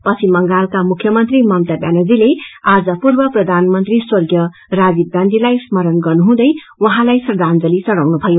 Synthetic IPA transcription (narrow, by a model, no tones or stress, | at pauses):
pʌt͡sʰimːʌŋɡalkamukʰjʌmʌnt̪rimʌmt̪abjanʌd͡zilead͡zʌpurbʌprʌd̪ʱanmʌnt̪riswʌrɡjʌ | rabiɡãnd̪ʱilajsmʌɾʌnɡʌrnuɦũd̪ʌj | wʌɦãlajsʌrd̪ʱand͡zʌlisʌɾawnubʱʌjo